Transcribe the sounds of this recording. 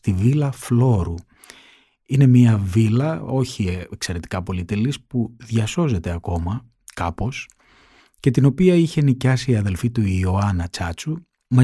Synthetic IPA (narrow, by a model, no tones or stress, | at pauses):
t̪ivilɐflo̞ɾu | ine̞miɐvilɐo̞çiekse̞ɾe̞t̪i̥kɐpo̞lit̪elispuðʝɐso̞ze̞t̪e̞ɐko̞mɐ | kɐpo̞s | ce̞t̪ino̞piɐiçe̞nicɐsiːɐðe̞lfit̪uioɐnɐt͡sɐt͡su | mɐ